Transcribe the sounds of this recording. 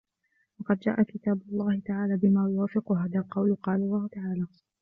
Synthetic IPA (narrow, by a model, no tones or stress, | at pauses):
wɑqɑd̪̚d͡ʒa̰ːʔakɪt̪aːbʊlˤːɑːhɪt̪aʕaːlaːbɪmaːjʊwaːfɪqʊhaːðalqɑwlqɑːlɑlˤːɑːhʊt̪aʕaːlaː